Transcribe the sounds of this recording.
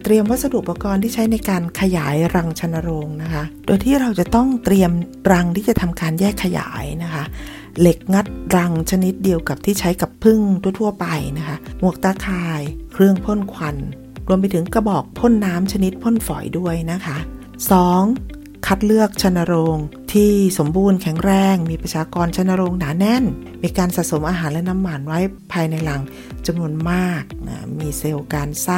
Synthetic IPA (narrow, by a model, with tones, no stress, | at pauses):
t̪ɾi˧əmwa˦˥sa˧du˨˩əkpːa˧kɔː˧nt̪ʰiː˥˩t͡ɕʰa˦˥jna˧jkaː˧nkʰa˧jaː˩˦jɾa˧ŋt͡ɕʰa˧nːa˧ɾoː˧ŋna˦˥kʰa˦˥ʔdoː˧jt̪ʰiː˥˩ɾa˧wt͡ɕa˨˩t̪ɔ˥˩ŋt̪ɾi˧əmɾa˧ŋt̪ʰiː˥˩t͡ɕa˨˩t̪ʰa˧mkaː˧njɛː˥˩kʰːa˧ja̰ː˩˦jna˦˥kʰa˦˥ | le˨˩k̚ŋa˦˥t̪̚ɾa˧ŋt͡ɕʰa˧ni˦˥t̪̚di˧əwka˨˩p̚t̪ʰiː˥˩t͡ɕʰa˦˥jka˨˩pʰːɯ˥˩ŋt̪ʰu˥˩ət̪ʰu˥˩ɐpa˧jna˦˥kʰa˦˥mu˥˩ək̚t̪aː˧˥˩kʰaː˧jkʰɾɯ˥˩əŋpʰo˥˩˨nkʰwa˧n | ɾu˧əmp̬a˧jt̪ʰɯ˩˦ŋkɾa˧bɔː˨˩k̚pʰo˥˨nːaː˦˥mt͡ɕʰa˧ni˦˥t̪̚pʰo˥˩nfɔ̰ː˨˩˦jdu˥˩əjna˦˥kʰa˦˥ | sɔː˩˦ŋ | kʰa˦˥t̪̚lɯ˥˩ək̚t͡ɕʰa˧nːa˧ɾoː˧ŋt̪ʰiː˥˩so˩˦mbuː˧nkʰɛ˩˦ŋɾɛː˧ŋmiː˧pɾa˧t͡ɕʰaː˧kɔː˧nt͡ɕʰa˧nːa˧ɾo˧ŋnaː˩˦nɛ˧˥˨n | miː˧kaː˧nsaː˨˩t̪̚so˩˦mʔaː˧ɦaː˩˦nlɛ˦˥na˦˥mːa˧˩nwa˦˥jpʰaː˧jna˧jla˨˧˦ŋ | t͡ɕa˧mnu˧ənmaː˥˩k̚ʔa̰ː˧˩miː˧se˧wkaː˧nsaː˥˩